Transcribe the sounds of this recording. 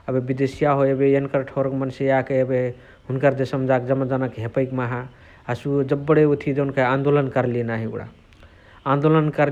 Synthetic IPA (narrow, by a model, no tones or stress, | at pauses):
əbebid̪esijaɦoebejenkəɾʈʰoɾkmənsejakeebe | ɦunkəɾd͡ʒesəmd͡ʒaked͡ʒəməd͡ʒanəkɦepəɪkmaɦaː | sud͡ʒəbːəɽeot̪ʰid͡ʒeunkeãnd̪olənkəɾlienaɦiṵɽa̰ | ãnd̪olənkəɾ